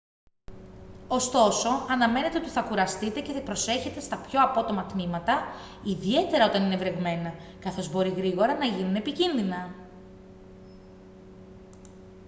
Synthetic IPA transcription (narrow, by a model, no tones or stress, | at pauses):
o̞st̪o̞so̞ɐnɐme̞net̪e̞o̞t̪iθɐkuɾɐst̪it̪e̞ce̞θɐpɾo̞se̞çe̞t̪e̞st̪ɐpço̞ɐpo̞t̪o̞mɐt̪mimɐt̪ɐ | iðie̞t̪e̞ɾɐo̞t̪ɐnine̞vɾe̞ɣme̞nɐkɐθo̞zbo̞ɾiɣɾiɣo̞ɾɐnɐʝinune̞picinðinɐ